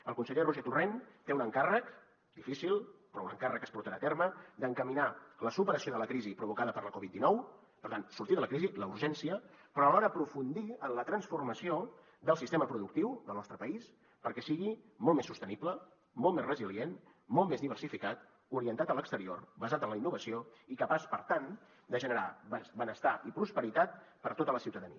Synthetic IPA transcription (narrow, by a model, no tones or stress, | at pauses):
əlˠkunsəʎeruʒet̪urent̪eunəŋkarək | d̪ifisilˠpɾɔunəŋkarəkːə̥spuɾt̪əɾaːt̪eɾməd̪əŋkəminaləsupəɾəsioðələkɾizipɾuβ̞ukaðəpəɾləkɔβit̪̚d̪inɔw | pəɾt̪ansuɾt̪iðələkɾiziləuɾʒɛnsiəpɾɔəlɔɾəəpɾufund̪iənlət̪ɾənsfurməsio | d̪əlˠsist̪eməpɾuðuk̚t̪iwðəlˠnɔst̪ɾəpəis | pəɾkɛsiɣi | mɔlˠmesːust̪əniplə | mɔlˠmesrəzilien | mɔlt̪mezðiβ̞ərsifikat̪ | uɾiənt̪at̪ələkst̪əɾio̰rbəzat̪ənləinːuβəsioikəpaspəɾt̪an | d̪əʒənəɾa̰bəsbənəst̪aipɾuspəɾit̪at̪̚pəɾt̪ot̪ələsiwt̪əðəniə